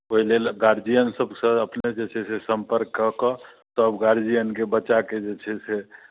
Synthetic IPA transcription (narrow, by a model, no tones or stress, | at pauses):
poɦilelɡaɾd͡ʒijənsəbsə̃əpned͡ʒet͡ʃʰɛsesəmpəɾkːəɦkɔ | t̪ɔəbɡaɾd͡ʒijənkebət͡ʃaked͡ʒet͡ʃʰɛse